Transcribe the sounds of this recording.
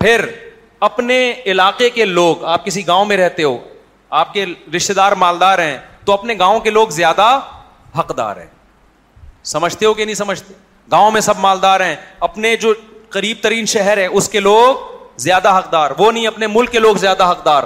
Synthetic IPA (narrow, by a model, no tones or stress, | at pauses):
pʰɪɾ | ɐpneɪlaːqekeloːɡaːp̚kɪsiɡãːõmẽɾɛɦt̪eɦo̰ː | aːp̚keɾɪʃt̪ed̪aːɾmaːld̪aːɾɦɛ̃ːt̪oɐpneɡãːõkeloːɡzjaːd̪a | ɦɐqd̪a̰ːɾɦɛ̰̃ː | sɐməd͡ʒʱt̪eɦokenɐɦĩsɐməd͡ʒʱt̪e | ɡãːõmẽsɐbmaːld̪aːɾɦɛ̃ːɐpned͡ʒoːqɐɾiːb̚t̪ɐɾiːnʃɛɦɛɾɦɛ̃ʊskeloːɡ̚zjaːd̪aɦɐqd̪aːɾʋonɐɦĩɐpnemʊlkːeloːɡzjaːd̪aɦɐqd̪aːɾ